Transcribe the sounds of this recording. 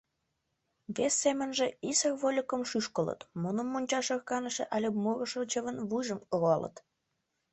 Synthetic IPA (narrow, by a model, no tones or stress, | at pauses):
βesːemənʒeisərβolʲokəmʃyʃkələ̰t̪munəmːonʲt͡ɕɑʃərkɑnəʃḛ̆ʔɑlʲemurəʃot͡ɕəβənβujʒəmoɣoɑlə̰t̪